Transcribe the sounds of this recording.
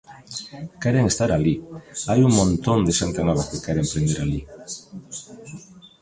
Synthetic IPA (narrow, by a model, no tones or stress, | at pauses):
keɾeŋest̪aɾaliajuŋmõnt̪ond̪esant̪anɔβaskekeɾempɾend̪eɾali